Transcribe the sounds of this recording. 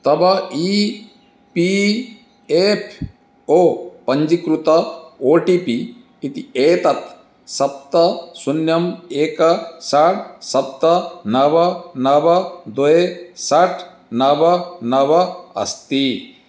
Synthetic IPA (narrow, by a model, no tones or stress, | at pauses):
t̪ɐbɐiː | pi | epʰ | oːpɐɲd͡ʒikɾut̪ɐoːʈipiː | t̪ieːt̪ɐt̪ | sɐp̚t̪ɐsunjɐmeːkɐsɐʈsɐp̚t̪ɐnɐʋɐnɐʋɐd̪ɔesɐʈʰ | nɐʋɐnɐʋɐɐ̰st̪i